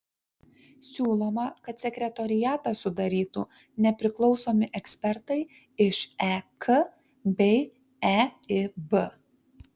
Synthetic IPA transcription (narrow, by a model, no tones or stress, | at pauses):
sʲuːlˠoːmɐkɐt̪sʲɛkʲɾʲɛt̪ɔɾʲɪjæːt̪ɑsʊd̪ɐɾʲiːt̪ṵnʲɛpʲɾʲɪklˠɒʊsoːmʲɪʔɛksʲpʲɛɾt̪ɐɪ | ɪʃɛkə | bʲɛɪ | ɛɪbə